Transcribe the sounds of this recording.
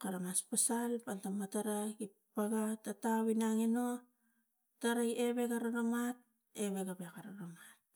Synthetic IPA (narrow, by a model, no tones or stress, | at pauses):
kaɾamaspasalpaltamataɾaɡi | paɡatatawinaŋeno | taɾajeβe̞ɡaɾaɾomat̚ | eβeɡabekaɾaɾomat̚